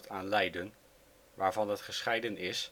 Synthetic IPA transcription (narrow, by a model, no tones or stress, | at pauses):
taːnlɛjdən | ʋaːɹvɑndətχəsχɛjdənɪs